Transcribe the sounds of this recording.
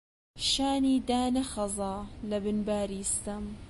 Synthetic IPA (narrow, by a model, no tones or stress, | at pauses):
ʃaːniːd̪aːnɐxɐzˤɑːlɐbɨnbaːɾiːst̪ɐm